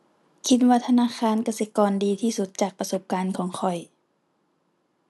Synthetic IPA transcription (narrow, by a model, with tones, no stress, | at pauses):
kʰi˧˥t̪̚waː˧t̪ʰa˧naː˧˥˨xʰaː˧˥˨nka˧˩se˧˦kɔː˧ndiː˨˧t̪ʰiː˧˩su˧˦t̪̚t͡ɕaː˨˩k̚pa˧so˧˦p̚kaː˧˥nkʰɔː˩˦ŋkʰɔ˨˩j